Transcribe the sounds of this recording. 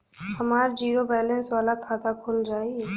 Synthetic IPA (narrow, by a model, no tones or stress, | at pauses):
həmaːɾd͡ʒiːɾobɛːlɛ̃nsʋaːlakʰaːt̪akʰoːld͡ʒaːi